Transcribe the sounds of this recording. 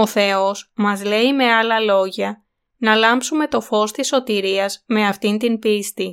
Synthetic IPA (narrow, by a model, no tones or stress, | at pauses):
o̞θe̞o̞smɐzle̞ime̞ɐlɐlo̞ʝɐ | nɐlɐmpsume̞t̪o̞fo̞st̪isːo̞t̪iɾiɐzme̞ɐft̪int̪inpist̪i